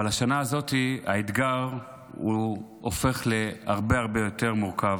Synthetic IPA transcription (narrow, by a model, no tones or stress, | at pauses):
alaʃanaːzo̞tia̰it̪ɡaʁ | u | ofe̞χle̞aʁbeaʁbe̞jo̞te̞ʁmuʁkav